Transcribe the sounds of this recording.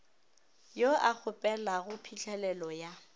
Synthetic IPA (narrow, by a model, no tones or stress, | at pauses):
joak͡xʰʊpʼɛlaɣʊpʰit͡ɬɛlɛlɔja